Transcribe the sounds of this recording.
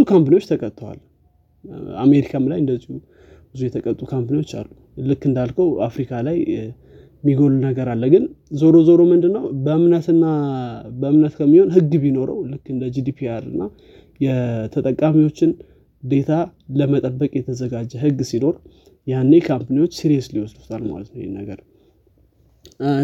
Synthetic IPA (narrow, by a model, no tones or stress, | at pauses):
bɨzukʰampnejwot͡ʃːt̪ʰəkʼət̪ʼːwa̰l | a̰me̞ɾikʰamlajɨnd̪əziu | bɨzujɛt̪ʰəkʼət̪ʼːukʰampnewo̞t͡ʃːa̰lːu | lɨkːɨnd̪alkʰəwa̰fɾikʰalaj | miɡolunəɡəɾalːəɡɨnzoɾo̞zoɾo̞mɨnd̪ɨnːəwbəmnət̪ɨnːabəɨmnət̪kʰəmːiho̞nɦɨɡːbino̞ɾə̰wlɨkːɨnd̪əd͡ʒid̪ipʰiaɾɨ̰nːa | jɛt̪ʰət̪ʼəkʼːamiwo̞t͡ʃːɪn | d̪e̞t̪ʰaləmət̪ʼəbːəkʼjɛt̪ʰəzəɡad͡ʒːɛɦɨɡːsino̞ɾ | janːe̞kʰampniwo̞t͡ʃːsiɾiesliwɔsd̪u̥t̪ʰʼalma̰lət̪nəwjɛ̰nːəɡəɾ